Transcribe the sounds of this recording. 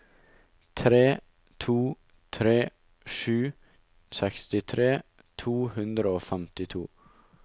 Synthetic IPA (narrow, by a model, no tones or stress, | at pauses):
t̪ʰɾeː | t̪ʰuː | t̪ʰɾeː | ʂʉː | sɛkst̪ɪt̪ʰɾeː | t̪ʰuːhʉnd̪ɾəoːfɛmt̪ɪt̪ʰuː